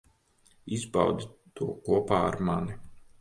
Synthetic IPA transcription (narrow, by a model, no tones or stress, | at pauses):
izba̰wd̪it̪uɔkuɔpaːa̰ɾmani